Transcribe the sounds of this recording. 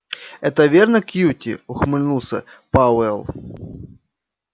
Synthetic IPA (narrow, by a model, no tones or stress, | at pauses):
ɛt̪ɐvʲernɐkjutʲɪ̰ʊxmɨlʲnusɐ̰pawɛlˠ